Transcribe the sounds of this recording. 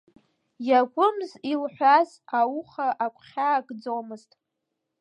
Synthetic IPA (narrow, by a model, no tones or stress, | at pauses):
jaɡʷʊmzilħʷaz | awʊχaʔakʷʰʼχʲaːkʼd͡zomɨztʼ